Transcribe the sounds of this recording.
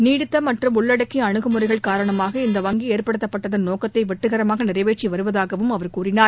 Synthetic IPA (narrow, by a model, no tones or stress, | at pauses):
niːɽɪt̪ːɐmɐʈrɯmʊɭːɐɽɐkːiɐɳɯɣɯmɯrɐɪɣɐɭkaːɾɐɳɐmaːɣɐɪnd̪ɐʋɐŋɡieːrpɐɽɯt̪ːɐpːɐʈːɐðɐnoːkɐt̪ːɐɪʋɛʈːɯɣɐɾɐmaːɣɐnɪrɐɪʋeːʈt͡ʃːiʋɐɾɯʋɐðaːɣɐʋɯmɐʋɐɾkuːrɪnaːɾ